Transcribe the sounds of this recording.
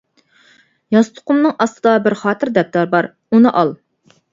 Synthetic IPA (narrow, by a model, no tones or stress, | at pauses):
jɑst̪ʰʊ̥qʊmnɨŋʔɑst̪ʰɨd̪ɑbɪɾχɑːt̪ʰɨɾd̪ɛp̚t̪ʰɑɾbɑɾ | unɨʔɑlˠ